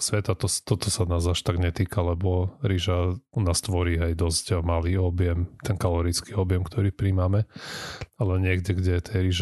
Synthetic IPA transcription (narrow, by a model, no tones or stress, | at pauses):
sʋɛt̪at̪ɔst̪ɔt̪ɔsanaːzaʃt̪aɡɲɛt̪iːkalɛbɔɾiʒanaːst̪ʋɔɾiːajd̪ɔzcmaliːɔbjɛmt̪ɛnkalɔɾit͡skiɔbjɛmkt̪ɔɾiːpɾimamɛ | alɛɲɪɛɡɟɛɡɟɛt̪ʰɛjɾiʒ